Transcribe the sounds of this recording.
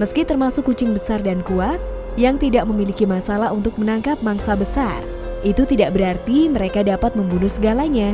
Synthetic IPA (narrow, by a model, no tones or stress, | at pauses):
məskit̪ərmasʊkːut͡ʃɪŋbəsardankuat̪̚ | jaŋt̪idaʔ̚məmilikimasalaɦunt̪ʊk̚mənaŋkap̚maŋsabəsar | ʔit̪ut̪idaʔbəɾart̪iməɾekadapat̪̚məmbunusəɡalaɲa